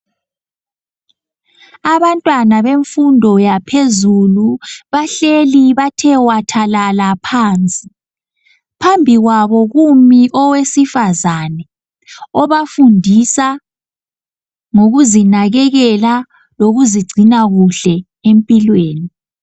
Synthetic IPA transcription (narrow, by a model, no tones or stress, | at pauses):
aβantʼwanaβeɱfundʱɔjapʰezuluβaɬeliβatʰɛwatʰalalapʰaːnt͡sʼi | pʰambʱiɣwaβɔɣumiʔɔwesifazanɛ | ɔβafundʱisa | ŋoɣuzinaɣɛɣɛla | loɣuziɡ͡ǀʱinaɣuɬɛ | empʼilweːni